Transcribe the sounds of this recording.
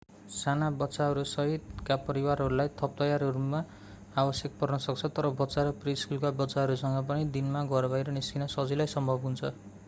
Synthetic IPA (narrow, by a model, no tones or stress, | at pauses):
sanabʌtːsaɦʌɾusʌɦit̪kapʌɾiwarɦʌɾulajt̪ʰʌp̚t̪ʌjaɾɦʌɾuma | abʌsjek̚pʌrnʌsʌk̚t͡sʰʌt̪ʌɾʌbʌtːsaɾʌpriskulkabʌtːsaɦʌɾusʌŋɡʌp̬ʌnid̪inmaɡʌɾʌbʱajɾʌniskʰinʌsʌd͡zilajsʌmbʱʌbɦunt͡sʰʌ